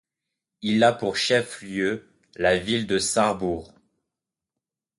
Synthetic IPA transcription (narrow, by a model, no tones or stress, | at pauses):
ilapuʁʃɛfljø | lavild̪əsaʁbuʁ